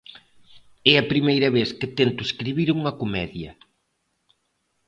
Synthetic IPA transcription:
ɛɐpɾimejɾɐβeθkɪt̪ent̪ʊeskɾiβiɾuŋɐkomɛðjɐ

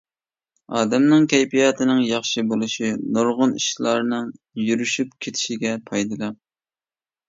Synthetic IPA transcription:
ɑːd̪ɛmnɪŋkʲʰɛjpijɑːt̪ʰɪnɪŋjɑχʃɨbolˠɨʃinoɾʁʊniʃlˠɑɾnɨŋ | jyɾyʃyp̚kʲʰet̪ʰɪ̥ʃiɡʲɛpʰɑjd̪ɨlˠɑm

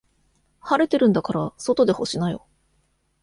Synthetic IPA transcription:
haɾe̞t̪e̞ɾɯ̟̃nd̪akaɾaso̞t̪o̞d̪e̞ho̞ɕinajo̞̰

